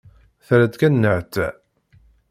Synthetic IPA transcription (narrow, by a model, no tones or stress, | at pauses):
θɾæd̪kænːəʕt̪ːæ